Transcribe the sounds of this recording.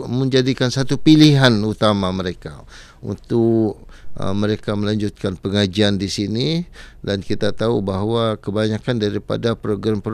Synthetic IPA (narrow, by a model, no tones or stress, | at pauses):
mə̃ɲd͡ʒadikansat̪upiliɦanut̪amaməɾeka̰ | ṵnt̪ʊk̚ə̰məɾekaməlaɲd͡ʒʊt̪̚kanpəŋad͡ʒiandisinidankit̪at̪aubaɦwakəbaɲakandaɾipa̰dapɾoɡɾampɾ